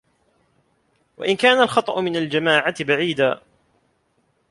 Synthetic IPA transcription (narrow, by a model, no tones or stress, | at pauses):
wa̰ʔɪnkaːnalxɑt̪ˤɑʔʊmɪnald͡ʒamaːʕat̪ɪbaʕiːd̪aː